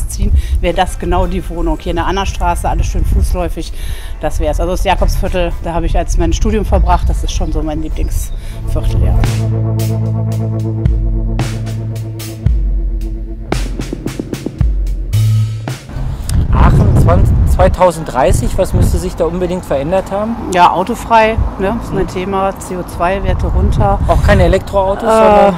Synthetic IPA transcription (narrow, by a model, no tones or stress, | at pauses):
t͡siːənvɛːʁədasɡ̥ənaʊdiːvoːnʊŋhiːɐɪndɛɐʔanɐʃtʁ̥aːsəʔaləsʃøːnfuːslɔʏfɪçd̥asv̥ɛːɐəsʔalzoasjaːkɔpsfɪɐtl̩d̥aːhaːbəɪçalsmaɪnʃtuːdjʊmfɔɐlbʁaχt̚d̥asɪstʃoːnzoːmaɪnliːplɪŋs | fɪɐtʰl̩a̰ː | ʔa̰ːχn̩t͡sv̥aɪtʰaʊzn̩t̚dʁaɪsɪçv̥asmʏstəzɪçd̥aːʔʊnbədɪŋktfɛɐʔɛndɐthaːbm̩jaːʔa̰ʊtofʁ̥aɪnəsmaɪntʰeːmaːt͡seːoːt͡sv̥aɪveːɐtʰəʁʊntʰɐʔaʊxkʰaɪnəelɛk̚tʁ̥oaʊtosʔɛːaɐ